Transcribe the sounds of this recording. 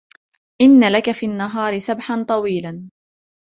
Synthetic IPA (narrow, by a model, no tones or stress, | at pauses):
ʔɪnːalakafiːnːaɦɑːɾɪsabħant̪ˤɑwiːlan